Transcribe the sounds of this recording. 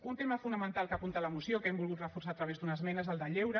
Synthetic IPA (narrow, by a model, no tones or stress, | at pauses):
unt̪eməfunəmənt̪alkapunt̪ələmusiokɛmbulˠɣut̪rəfursaːt̪ɾəβezd̪unəzmɛnəezəlˠd̪əʎewɾə